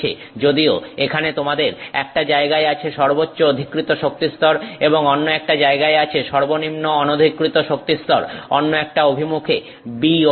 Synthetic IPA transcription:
ḛ | d͡ʑod̪ioekʰanet̪omad̪eɾɛk̚ʈad͡ʑaeɡaeat͡ɕʰeʃɔɾbotːɕood̪ʱikːɾit̪oʃok̚t̪ist̪ɔɾeboŋɔnːoɛk̚ʈad͡ʑaeɡaeat͡ɕʰeʃɔɾbonimnoɔnod̪ʱikːɾit̪oʃok̚t̪ist̪ɔɾɔnːoɛk̚ʈaobʱimukʰe | bio

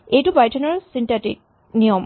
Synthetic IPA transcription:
ejtupajtʰɔnɔɹsintatḭk̚ | nijɔm

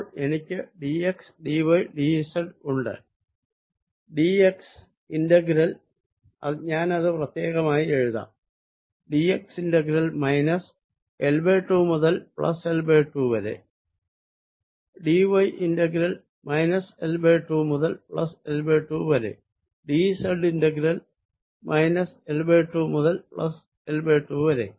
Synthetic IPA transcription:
ɭe̞nikʲːɨɖieksɖiʋojɖisɐɖuɳɖɨ̰ | ɖieks | inɖɐɡɾɐl | ɐ̰ɲaːnɐðɨprɐt̪jeːɣɐmaːjie̞ɻuða̰ | ɖieksinɖɐɡiɾɐlmɐjnɐs | elbeʈːuːmuðɐlpɭɐ̰selbeːʈːuːʋɐɾḛ | ɖiʋɐjʔinɖɐɡɾɐl | mɐjnɐselbeːʈːuːmuðɐlpɭɐ̰selbeːʈːuːʋɐɾḛ | ɖiːsɐlɖinɖɐɡɾɐl | mʔɐjnɐselbeːʈːuːmuðɐlpɭɐ̰s | elbeːʈːuːʋɐɾḛ

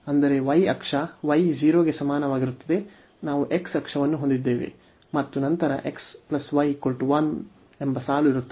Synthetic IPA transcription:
ɐnd̪ɐɾe̞ʋɐjɐ̰kʂɐʋɐjd͡ʒiːɾoːɡe̞sɐmaːnɐʋaːɡiɾut̪ːɐd̪e̞ | naːʋuʔe̞ksɐkʂɐʋɐnːuɦond̪id̪ːe̞ːʋḛ | mɐt̪ːunɐnt̪ɐɾɐ̰ʔe̞ksplɐsʋɐjkolʈuʋɐn | e̞mbɐsaːluiɾut̪ː

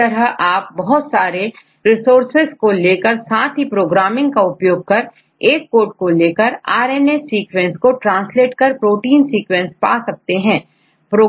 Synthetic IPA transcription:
ɐɾəɦaːp̚bɐɦɔt̪saːɾe | ɾɪsoːɾsɪzkoleːkəɾsaːt̪ʰɦipɾoːɡɾaːmɪ̃ŋɡkaʊpjoːɡ̚kɐɾ | eːkːoːʈ̚koleːkəɾaːɾɛːnesiːkwɛ̃nskoʈɾãːnsleːʈkəɾpɾoːʈiːnsiːkwɛ̃nspa̰ːsɐk̚t̪eɦɛ̃ː | pɾoː

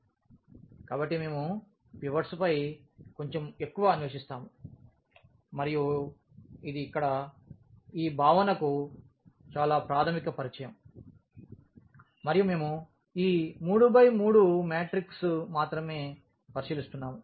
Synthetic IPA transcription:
kaːbɐʈːime̞ːmu | piʋɐɾspɐjko̞ɲt͡ʃeme̞kːuʋɐːnʋɐʃist̪aːmu | mɐɾiju | id̪iːkːɐɽɐ | iːbʱaːʋɐnɐku | t͡ʃaːlaːpɾaːt̪ʰɐmikɐpɐɾit͡ʃɐjɐm | mɐɾijume̞ːmu | iːmuːɽubɐjmuːɽumeːʈɾiksmaːt̪ɾɐme̞ː | pɐɾiʃilist̪unːaːmu

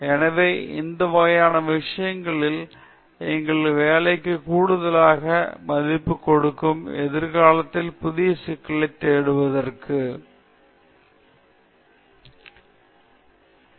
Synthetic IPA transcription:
ɛnɐʋɐɪɪ̰nd̪ɐʋɐːjaːnɐʋɪʂɐjɐŋɡɐɭɪl | ɛŋɡɐɭʋeːlɐɪkːɯkuːɽɯðɐlaːɣɐmɐðɪpːɯkːɔɽɯkːɯmɛðɪɾɣaːlɐt̪ːɪlpʊðɪjɐsɪkːɐɭɐɪt̪ːeːɽɯʋɐðɐrkʰɯ

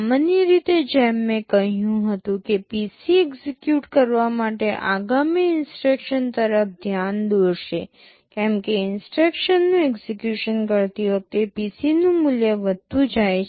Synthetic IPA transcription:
məniɾit̪ed͡ʒɛmːẽkəɦjũɦət̪ũkepisiɛɡzekjuʈkəɾʋamaʈeʔa̰ɡamiɪnsʈɾekʃənt̪əɾəfd̪ʱjand̪oɾʃe | kɛ̃mkeɪnsʈɾekʃənːũɛɡzekjuʃənkəɾt̪iʋək̚t̪episinũmʊljəʋəd̪t̪ud͡ʒaj

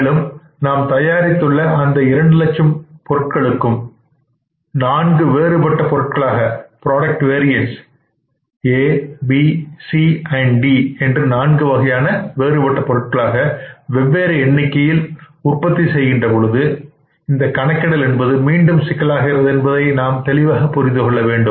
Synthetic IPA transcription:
lɯm | naːmt̪ɐjaːɾɪt̪ːɯɭːɐɐnd̪ɐɪɾɐɳɖɯlɐt͡ʃɐmpɔɾɯʈ̚kɐɭɯkːɯm | naːnɡɯʋeːɾɯpɐʈːɐpɔɾɯʈ̚kɐɭaːɣɐpɪɾoːɽɐk̚ʈʋeːɾɪjɐns | eːbisiɐɳɖiɛndrɯnaːnɡɯʋɐɣɐjaːnɐʋeːɾɯpɐʈːɐpɔɾɯʈ̚kɐɭaːɣɐʋɛʋːeːɾɐɛnːɪkːɐjɪl | ʊrpɐt̪ːisɛjɣɪndrɐpɔɻɯðɯ | ɪnd̪ɐkːɐɳɐkːɐɽɐlɛnbɐðɯmiːɳɖɯmsɪɣɐlaːɣɪrɐðɛnbɐðɐɪnaːmt̪ɛlɪʋaːɣɐpːʊɾɪnd̪ɯkɔɭːɐʋeːɳɖɯm

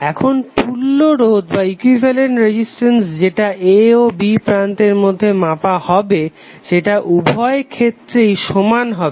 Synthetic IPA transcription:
ɛkʰonpulːoɾod̪baikwivʱeleɳʈɾed͡ʑisʈensd͡ʑeʈaʔeobipɾant̪eɾmod̪ʱːemapahɔbe | ʃeʈaʔubʱɔekʰet̪ːɾejʃomanɦɔbe

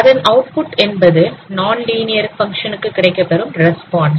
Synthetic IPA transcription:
ɐðɐnʔɐʊʈ̚pʊʈːɛnbɐðɯnaːnliːnɪjɐɾfɐŋkʂɐnɯkːɯkːɪɽɐɪkːɐpːɛɾɯmɾɛspaːɳɖs

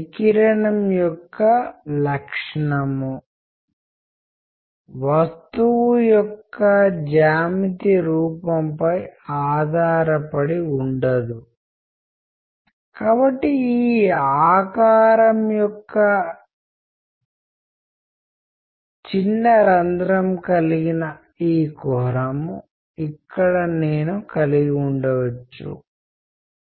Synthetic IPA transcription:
ikiɾɐɳɐmjɔkːɐlɐkʂɐɳɐmu | ʋɐst̪uwujɔkːɐd͡ʒaːmit̪iɾuːpɐmpɐjaːd̪ʱaːɾɐpɐɽiuɳɖɐd̪u | kaːbɐʈːiiːaːkaːɾɐmjɔkːɐ | t͡ʃinːɐɾɐnd̪ɾɐmkɐliɡinɐ | iːkɔɦɾɐmu | ikːɐɽɐneːnukɐliɡiuɳɖɐʋɐt͡ʃːṵ

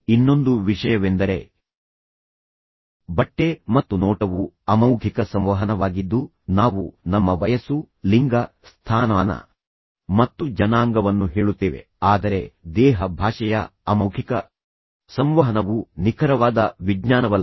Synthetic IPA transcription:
inːo̞nd̪uʋiʂɐjɐʋend̪ɐɾe̞̰ | bɐʈːe̞mɐt̪ːunɔːʈɐʋuɐmɐwɡʱikɐsɐmʋɐɦɐnɐʋaːɡid̪ːu | naːʋunɐmːɐʋɐjɐsu | liŋɡɐ | st̪ʰaːnaːnɐ̰ | mɐt̪ːud͡ʒɐnaːŋɡɐʋɐnːuɦeːɭut̪ːiːʋe̞̰ | aːd̪ɐɾe̞d̪ɛːɦɐbʱaːʂɐjɐ̰ɐmɐwɡʱikɐ | sɐmʋɐɦɐnɐʋunikʰɐɾɐʋaːd̪ɐʋiɡɲaːnɐʋɐ

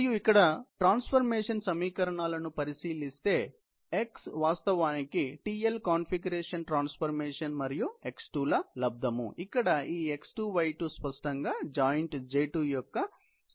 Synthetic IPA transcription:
juikːɐɽɐʈɾaːnspʰɐɾmeːʂɐnsɐmiːkɐɾɐɳaːlɐnupɐɾisiːlist̪e̞ː | eksʋaːst̪ɐʋaːnikiʈiːelkaːnpʰiɡɐɾeːʂɐnʈɾaːnspʰɐɾmeːʂɐnmɐɾijue̞ksʈuːlɐlɐb̚d̪ʱɐmṵikːɐɽɐiːeksʈuːʋɐjʈuːspɐsʈɐŋɡaːd͡ʒaːjɐɳʈd͡ʒeːʈuːjɔkːɐ

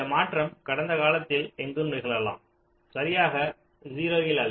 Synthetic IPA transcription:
ɐmaːʈrɐmkɐɽɐnd̪ɐkaːlɐt̪ːɪlɛŋɡɯmnɪɣɐɭɐla̰ːm | sɐɾɪjaːɣɐ | ziːɾoːjɪlɐl

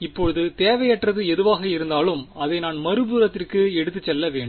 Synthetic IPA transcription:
ɪpːɔɻɯðɯt̪eːʋɐjɛʈrɐðɯɛðɯʋaːɣɐɪɾɯnd̪aːlɯmɐðɐɪnaːnmɐɾɯpuːɾɐt̪ːɪrkɯɛɽɯt̪ːɯt͡ʃːɛlːɐʋeːɳɖm

